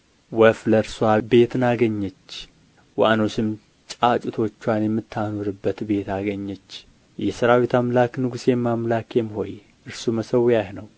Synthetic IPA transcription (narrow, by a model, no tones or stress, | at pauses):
wəfləɾswabe̞t̪naɡəɲːɛt͡ʃː | wʔanosɨm | t͡ʃʼat͡ʃʼut̪ʰo̞t͡ʃːwanjɛmːɨt̪ʰːanoɾɨbːət̪be̞t̪aɡəɲːɛt͡ʃː | jɛsɨɾawit̪ʰamlaknɨɡusjɛmːamlakjɛmho̞j | ʔɨɾsuməsəwjahnəw